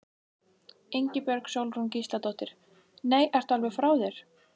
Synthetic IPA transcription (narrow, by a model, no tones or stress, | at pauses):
ejɲcɪpjœɾksowlruncist̪at̪ɔht̪ɪɾ̥ | neːjʔɛr̥t̪alvɪfɾaːwðɛɾ̥